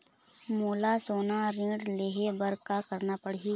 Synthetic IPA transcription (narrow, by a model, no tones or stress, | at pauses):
moːlasoːnaɾĩːɖleːɦebəɾkakəɾnapəɽ̤iː